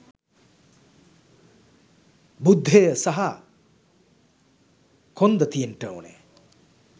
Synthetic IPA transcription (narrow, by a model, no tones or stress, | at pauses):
bud̪ʱːeɐsɐɦɐ | kʰond̪ɐt̪ijenʈəo̰nḛ